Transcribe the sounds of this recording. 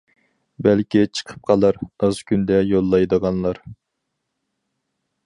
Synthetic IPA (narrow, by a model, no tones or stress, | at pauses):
bɛlkʲit͡ʃʰə̥qʰə̥p̚qʰɑlˠəɾɑzkʲʰynd̪ɛjolˠːɑjd̪əʁɑnlˠɑɾ